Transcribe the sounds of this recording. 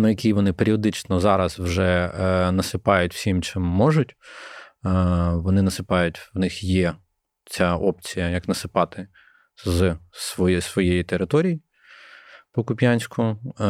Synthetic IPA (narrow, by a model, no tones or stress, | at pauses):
nʊjɐkʲiʋɔnɪpeɾʲiɔd̪ɪt͡ʃnɔzɑɾɐzwʒɛnɐsɪpɑjʊtʲw̥sʲimt͡ʃɪmːɔʒʊtʲː | ʋɔnɪnɐsɪpɑjʊtʲwnɪxjɛ | t͡sʲaʔɔpt͡sʲijɐjɐknɐsɪpɑt̪ɪ | zsʋɔjsʋɔjejit̪eɾɪt̪ɔɾʲiji | pɔkʊpʲjanʲsʲkʊ